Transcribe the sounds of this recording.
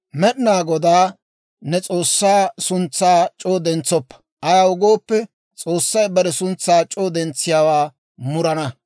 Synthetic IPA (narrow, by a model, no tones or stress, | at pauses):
mɛɗɪnaːɡɔd̪aː | nɛt͡sʼo̞ːsːaːsʊnt͡sːaːt͡ʃʼoːd̪ɛnt͡sːɔpːɐ̥ | ʔɐjaʊɡoːpːɛ | t͡sʼoːsːɐjbɐɾɛsʊnt͡sːaːt͡ʃʼoːd̪ɛnt͡sːɪjawaː | mʊɾɐnɐ